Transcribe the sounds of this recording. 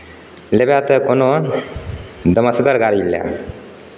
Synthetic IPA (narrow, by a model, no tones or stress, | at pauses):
lebjat̪əkono | d̪əməsɡəɾɡaɾiblja̰